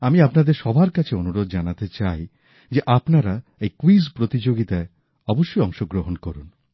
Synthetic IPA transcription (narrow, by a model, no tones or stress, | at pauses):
amiapnad̪eɾʃɔbʱaɾkat͡ɕʰeonuɾod̪̚d͡ʑanat̪et͡ɕaj | d͡ʑeʔapnaɾaejkwizpɾot̪id͡ʑoɡit̪ae | ɔboʃːojɔŋʃoɡɾoɦonkoɾun